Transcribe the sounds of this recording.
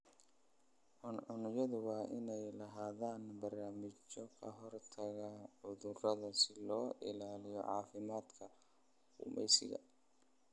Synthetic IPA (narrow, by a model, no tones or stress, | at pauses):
ʕʊnʕʊnɪjɐðʊwɑːʔɪnɛjlɐɦaːðaːnbɐrnaːmɪt͡ʃɔkʰɐɦɔrt̪ʰɐɣaʕʊðʊrɐðɐsɪlɔːʔɪ̰laːlɪjɔ̰ʕɑ̰ːfɪmaːd̪kʰɐ | ʊmɛ̰jsɪ̰ɣɐ̰